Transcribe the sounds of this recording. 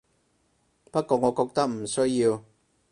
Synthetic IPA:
pɐ˥t̚kɔː˧ŋɔː˨˧kɔː˧k̚t̪ɐ˥k̚m̩˨˩sɵ˥ɥji˧w

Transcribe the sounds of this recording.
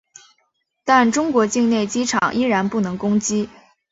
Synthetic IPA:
t̪a˥˩nʈ͡ʂʊ˥ŋkwɔ˧˥t͡ɕi˥˧ŋne˥˩ɪt͡ɕi˥ʈ͡ʂʰɑ̰˨˩ŋʔi˥ɻa˧˥npu˥˩nɤ˧˥ŋkʊ˥ŋt͡ɕi˥

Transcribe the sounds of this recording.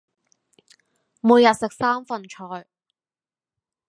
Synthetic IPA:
muː˨˧jɐ˨t̚sɪ˨k̚saː˥mfɐ˨nt͡ʃʰɔː˨˩j

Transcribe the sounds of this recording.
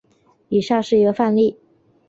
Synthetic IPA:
i˨˩ʂa˥˧ʂɻ̩˥˩jo˧˥fa˥˧nli˥˩

